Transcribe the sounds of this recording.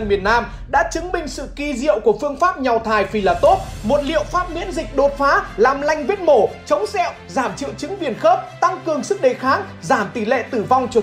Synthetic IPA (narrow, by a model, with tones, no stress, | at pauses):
nmi˨˩ənːaː˧m | ɗa̰ː˧˥t͡ɕɨ˨˦ŋɓï˨˩ŋ̟sɨ̰˧˨ki˧zḭ˧˨əwku˧˩əfɨ˧əŋfaː˦˥p̚ɲa˨˩wt̪ʰaː˨˩jfi˧˩laː˧˩t̪o˦˥p̚mo˨˩t̚lḭ˧˨əwfaː˦˥p̚ŋwḭ˧˥ənzï˨˩k̟̚ɗo˨˩t̚faː˨˦laː˨˩mla˧jŋ̟vi˦˥ət̚mo˧˩t͡ɕə˨˦wŋ͡msɛ̰˧˥˨wzaː˧˩mt͡ɕɨ̰˧˨wt͡ɕɨ˨˦ŋvi˧˩ənxə˦˥p̚t̪a˧ŋkɨ˨˩əŋsɨ˦˥k̚ɗe˧˩xaː˨˦ŋzaː˧˩mt̪i˧˩lḛ˧˨t̪ɨ˧˩va˧wŋ͡mt͡ɕɨ˨˩